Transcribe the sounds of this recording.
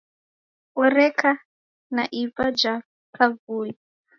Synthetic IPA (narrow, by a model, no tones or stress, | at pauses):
ɔɾɛkʰa | naʔivad͡ʒa | pʰavuːji